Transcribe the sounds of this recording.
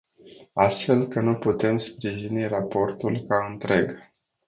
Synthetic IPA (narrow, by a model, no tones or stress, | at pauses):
ast̪fe̞lkənuput̪e̞mspɾiʒinirapo̞rt̪ulkaɨnt̪ɾe̞ɡ